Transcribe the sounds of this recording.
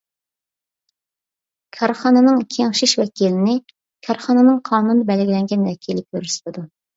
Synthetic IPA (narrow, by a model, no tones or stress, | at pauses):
kʲʰɑɾχɑːnɛnɨŋkʲʰeŋʃiʃwɛkʲʰilɪnɪ | kʲʰɑɾχɑnɛnɨŋqʰɑːnunɨd̪ɑbɛlɪɡʲilɛŋɡʲɛnwɛkʲʰilɪkʲʰøɾyslɪd̪u